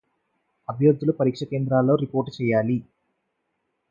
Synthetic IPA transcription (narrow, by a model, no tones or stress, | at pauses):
ɐbʱjɐɾd̪ːulupɐɾiːkʂɐkeːnd̪ɾaːlːo̞ːɾipoːɾʈt͡ʃɛːjaːli